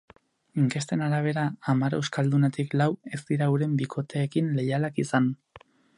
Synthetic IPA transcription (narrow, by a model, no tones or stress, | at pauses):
iŋke̞st̪e̞naɾaβ̞e̞ɾaːmaɾe̞wskald̪unet̪iklawe̞zd̪iɾauɾe̞mbikʰo̞t̪e̞ːkinle̞jalakisan